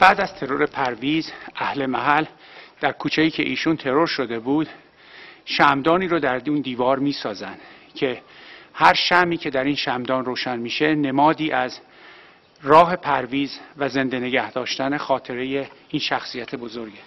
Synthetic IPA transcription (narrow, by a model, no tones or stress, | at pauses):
b̥æːd̪æz̥t̪ʰe̞ɾo̞ɾe̞pʰæɾviːzʔæhle̞mæɦæl | d̪̥æɾkʰuːt͡ʃʰejiːcʰe̞̰ʔiːʃunt̪ʰe̞ɾo̞ɾʃo̞d̪e̞buːd̪ | ʃæmd̪ɒːniːɾod̪æɾund̪iːvɒːɾmiːsɒːzænd̪cʰe̞hæɾʃæmiːcʰe̞d̪æɾiːnʃæmd̪ɒːnroːʃænmiːʃe̞ne̞mɒːd̪iːʔæz | rɒːɦe̞pʰæɾviːzvæze̞nd̪e̞ne̞ɟæhd̪ɒːʃt̪æne̞xɒːt̪ʰe̞ɾe̞je̞iːnʃæxsiːjæt̪ʰe̞bo̞zo̞ɾɟe